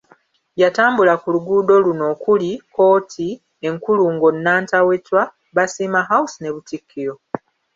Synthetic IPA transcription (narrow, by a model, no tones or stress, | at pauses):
jataːmbulakuluɡuːdo̞luno̞ːkulikʰo̞ːtʰi | e̞ŋkuluŋɡo̞nːaːntawe̞twa | βasiːmaɦausineβutikʰːiɾo̞